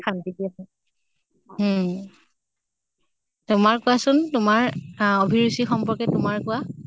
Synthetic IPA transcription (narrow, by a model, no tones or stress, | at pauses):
kʰantikiasɛ | tʊmaɹkʊasʊntʊmaɹobʱiɹusixɔmpɔɹkɛtʊmaɹkʊwa